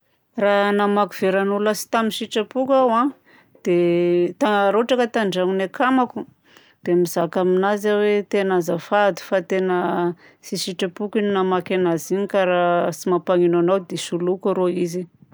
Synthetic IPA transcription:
ranamakuv̥eɾanulasi̥t̪aminʃiʈ͡ʂapukawã | d̪̥et̪anɾoaʈ͡ʂakət̪aɳɖ͡ʐaŋinakamaku | d̪̥emizakaminazawet̪enazafad̪i̥fat̪enə | siʃiʈ͡ʂapukininamakanaziɲikaɾasimapaŋinanawd̪esulukaɾoizi

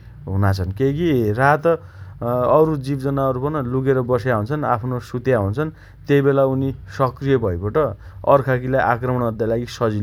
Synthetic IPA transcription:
ɦunat͡sʰʌnkekirat̪ | ʌɾud͡zibd͡zʌnaʌɾupʌnluɡeɾʌbʌsjaɦunt͡sʰʌnapʰnosut̪jaɦunt͡sʰʌn | t̪eibelaunisʌkrijʌbʱʌjkoʈʌ | ʌrkʰakilajʔakrʌmʌɽ̃ʌd̪jalaɡisʌd͡zil

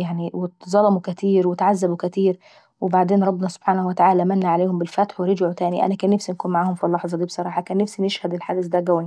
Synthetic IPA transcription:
jaʕniwɪtzˤɑlɑmukæt̪iːɾwɪt̪ʕazːabukæt̪iːɾ | wɪbaʕd̪eːnɾˤɑbːɪnɑsob̥ħaːnhwɪt̪aʕaːlæʔmænːaʕaleːhʊmbɪlfæt̪ħwɪɾɪd͡ʒʕut̪æːniʔæ̰nækæːnːæfsinækuːnmaʕaːhʊmfilːɑħzˤɑd̪iːbsˤɑɾˤɑːħɑkæːnːæfsinɪʃhæd̪ɪlħaːd̪ɪs̬d̪æɡæwːi

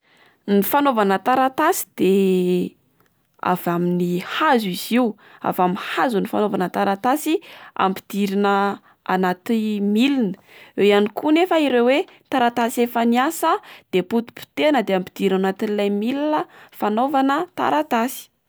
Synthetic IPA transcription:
nifanovanət̪aɾat̪asi̥d̪̥e | a̰vaminihazuiz̥iu | a̰vaminhazunifanovanət̪aɾat̪asia̰mpi̥d̪̥iɾinə | a̰nat̪imilinə̥ | ejanikunefəiɾewet̪aɾat̪asefəniasəd̪̥eput̪u̥pi̥t̪enəd̪eampid̪̥iɾinanat̪inilajmilinəfanovanət̪a̰ɾat̪asi̥

